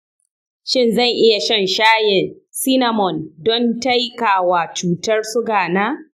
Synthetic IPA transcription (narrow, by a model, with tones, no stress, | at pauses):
ʃɪ˦˨nzɐ˦˨ŋʔɪ˦ja˨ʃɐ˦˨nʃaː˦jɪ˨nsiː˦na˨mɔ˨ndɔ˦nta˦jkaː˨waː˨t͡ʃuː˦tɐ˦rsʊ˦ɡaː˨naː˦